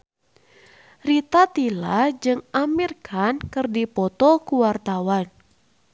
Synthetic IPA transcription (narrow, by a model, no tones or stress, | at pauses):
rit̪at̪ilad͡ʒɨŋamirkʰankɨrdipɔt̪ɔkuwart̪awan